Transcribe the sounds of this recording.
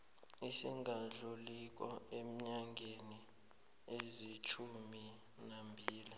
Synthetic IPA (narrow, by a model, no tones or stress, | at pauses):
isiŋʱaɮulik̬ʼɔ̰em̩ɲaŋɡʱeni | ezit͡ʃʰumi | nambʱiːli